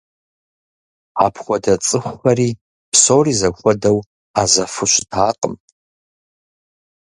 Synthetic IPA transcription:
aːpʰχʷɔdɐt͡sʼɨχʷxɐɾiː | psoːwriːzɐxʷɔdɐw | aːzɐfɨɕʷɪ̥tʰaːqəm

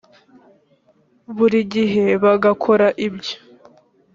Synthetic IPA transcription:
βuɾiɟiɦe̞βaɡakʰo̞ɾaʔibjo̥

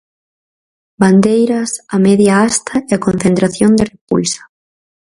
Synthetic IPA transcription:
band̪ejɾɐsamɛðjaast̪ʰɐeakonθent̪ɾaθjond̪ɪrepṵlsḁ

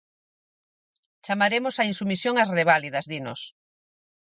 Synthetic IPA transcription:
t͡ʃamaɾemʊsainsumisjoŋɐsreβ̞alið̞ɐzðinos

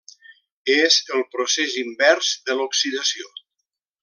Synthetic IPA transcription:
ezəlˠpɾosezimbɛɾzðəloksiðəsio

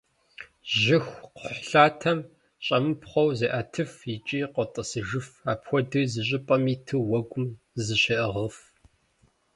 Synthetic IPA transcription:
ʑʒɪxʷqħɬaːtʰɐm | ɕʼɐmɨpχʷɔwzeʔɐtʰɨfit͡ʃʼiːqətʼəsɨʒɨfaːpxʷɔdɨzɨɕ̬ʼɪpʼɐmiːtʰɨwɐɡʷʊm | zɨɕeʔɐʁəf

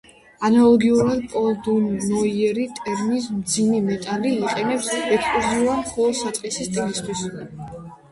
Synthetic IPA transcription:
analˠɔɡiuɾad̪̚pʼɔld̪unːɔiɛɾit̪ʼɛɾmis̬md̪zimɛmɛt̪ʼaliːqʼɛnɛpsɛkspʼluziuamχɔlˠɔsat̪sʼqʼɛsist̪ʼinist̪ʼʰwis

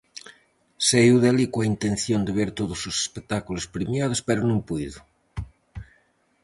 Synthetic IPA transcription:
sejuðelikwaint̪en̟θjond̪eβeɾt̪oðosose̥spek̚t̪akulospɾemjað̞ospeɾonũŋpujðo

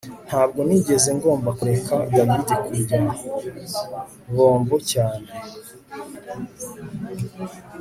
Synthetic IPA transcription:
n̥haːb̚ɡo̞niɟe̞ze̞ŋɡo̞ːmbakuɾe̞kaɡamidikuɟima | βo̞ːmbocaːne

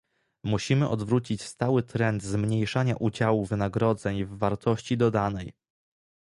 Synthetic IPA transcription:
muɕimɘʔɔd̪vɾut͡ɕit͡ɕst̪awɘt̪ɾɛnd̪zmɲejʂaɲaʔud͡ʑawuvɘnaɡɾɔd̪zɛɲvːaɾt̪ɔɕt͡ɕid̪ɔd̪anɛj

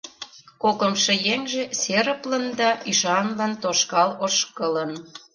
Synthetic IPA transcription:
kokəmʃĕjeŋʒeseɾə̆plə̆nd̪ɑʔyʃɑnlɑnt̪oʃkɑloʃkələ̆n

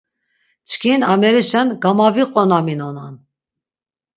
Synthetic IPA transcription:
t͡ʃʰkʰinamɛɾiʃɛnɡamaviqʼɔnaminɔnan

